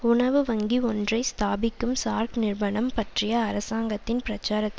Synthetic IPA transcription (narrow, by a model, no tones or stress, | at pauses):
ʊɳɐʋɯʋɐŋɡiɔndrɐɪst̪aːbɪkːɯmsaːɾknɪrʋɐɳɐmpɐʈrɪjɐːɾɐsaːŋɡɐt̪ːɪnpɪɾɐt͡ʃːaːɾɐt̪ːɪ